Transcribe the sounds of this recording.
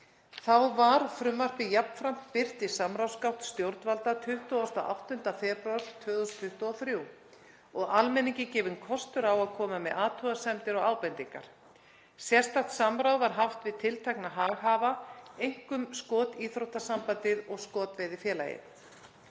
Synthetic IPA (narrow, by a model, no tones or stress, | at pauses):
θawvaɾ̥fɾʏmvar̥p̪ɪjapn̥fɾam̥t̪pɪr̥t̪ɪsamɾawskawht̪st̪jowɾt̪nvalt̪at̪ʰʏht̪uɔst̪ɔʔa̰wht̪ʏn̥t̪afɛpɾaɾ̥t̪ʰvœːðust̪ʰʏht̪uɔθɾjuw | ɔɣalmɛniɲcɪcɛːvʏnkʰɔst̪ʏɾawaðkʰɔːmamɛðaːt̪ʰuasɛmt̪ɪɾɔɣaːwpɛnt̪iŋka̰ɾ̥ | sjɛst̪aht̪samɾawvaɾ̥ɦaft̪vɪðt̪ʰɪlt̪ʰajknaɦaːɣaːvaejŋ̥kʏmskɔːt̪iːθɾowht̪asampant̪ɪðɔɣskɔːt̪vɛːðɪfjɛːla̰jɪ̰n